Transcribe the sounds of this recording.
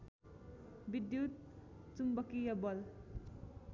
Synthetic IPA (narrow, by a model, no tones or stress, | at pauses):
bid̪jut̪̚ | t͡sumbʌkijʌbʌl